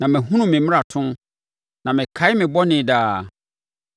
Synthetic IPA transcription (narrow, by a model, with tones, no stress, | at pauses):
nã˨mɪ̃˨ɦũ˦nʊ̃˨mɪ̃˨mɪ̃˦a˨tʰʊ̃˦m | nã˨mɪ̃˨kʰa˨˦ɪ˦mɪ̃˨bɔ˦nɪ̃˨daː˨˦